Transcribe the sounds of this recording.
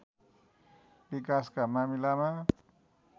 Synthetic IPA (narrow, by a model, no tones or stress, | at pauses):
bikaskamamilamã